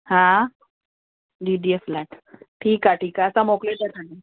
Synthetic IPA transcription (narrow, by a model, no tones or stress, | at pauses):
hã | d͡ʒiɖieflaʈʈʰiːkɦaʈʰiːkaəsamoklet̪ak̪ʰaɳe